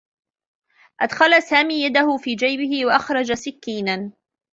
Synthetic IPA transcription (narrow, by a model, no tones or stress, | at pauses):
ʔad̪xalasaːmiːjad̪ahʊfiːd͡ʒajbɪhɪwaʔɑxɾˤɑd͡ʒasɪkːiːnan